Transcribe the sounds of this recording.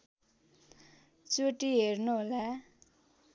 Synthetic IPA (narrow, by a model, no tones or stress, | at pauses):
t͡soʈiɦernuɦola